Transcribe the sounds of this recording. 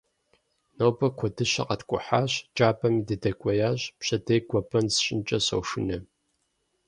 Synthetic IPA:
nowbɐkʷʰɔdɨɕɐ̰qɐtkʷʼʊ̰ħaːɕt͡ʃʼaːbʰʼɐmiːdɨdɐkʷʼɔjaːɕpɕɐdejɡʷɔbʰʼɐnsɕʼɪnt͡ʃʼɐɕɐ̰wʃɨnɐ

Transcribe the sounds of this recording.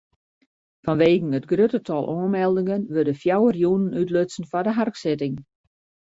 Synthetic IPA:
fɔnʋeːɣn̩ətɡrøtətʰɑlˠʔoːənmɛlˠdɪŋənʋørdəfjawərjunənytløsn̩fɔdəɦarksɪtɪŋ

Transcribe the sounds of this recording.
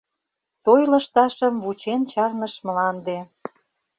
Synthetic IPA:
t̪ojlə̆ʃt̪ɑʃəmβut͡ɕent͡ɕɑrnəʃmlɑnd̪e

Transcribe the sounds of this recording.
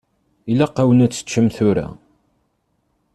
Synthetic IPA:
ilæqawənæt͡sːə̥t͡ʃːəmθʊɾæ̰

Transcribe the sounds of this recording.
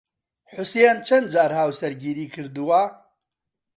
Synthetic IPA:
ħʊsjeːnt͡ʃʰɐnd̪̚d͡ʒaːɾhaːwsɛɾɡiːɾiːkʰɨɾd̪uwa

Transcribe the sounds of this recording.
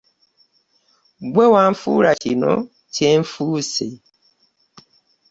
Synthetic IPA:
ɡ͡bewam̩fṵɾat͡ʃinɔ̰ | ten̩fuse

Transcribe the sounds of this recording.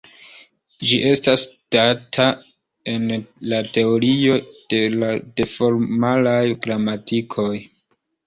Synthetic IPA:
d͡ʒiʔe̞stasd̥atʰa | e̞nlate̞o̞ɾio̞d̥e̞lade̞fo̞ɾmalajɡɾamatʰikʰo̞j

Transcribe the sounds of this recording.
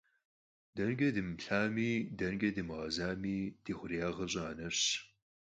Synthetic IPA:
dɐnɡʲɐdɨmɬaːmiːdɐnɡʲɐdɨmɨʁɐzaːmiːd̥iːχʷʊrijaːʁɐɕʼaːnɐɕ

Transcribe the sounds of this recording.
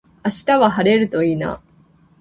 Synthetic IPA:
aɕi̥t̪aβaɦaɾe̞ɾɯ̟t̪o̞iːna̰

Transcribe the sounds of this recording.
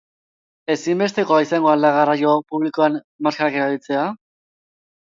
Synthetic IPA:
e̞simbe̞st̪e̞ko̞aisaŋɡo̞ald̪aɣ̞arajo̞puβliko̞an | maskaɾake̞ɾaβit͡se̞a

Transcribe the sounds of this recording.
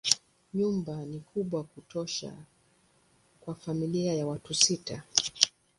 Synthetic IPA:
ɲumbanikuɓwakutɔʃa̰ | kwafamiliajawatusita

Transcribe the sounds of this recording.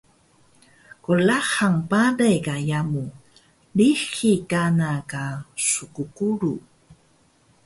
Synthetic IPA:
kolaχaŋpadajkajamu | lixikanakasʊkukuɾu

